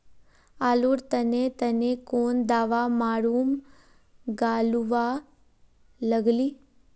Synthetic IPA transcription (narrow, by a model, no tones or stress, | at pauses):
aːluɾt̪ənet̪ənekoːnd̪aːʋamaːɽuːm | ɡaːluʋa | ləɡliː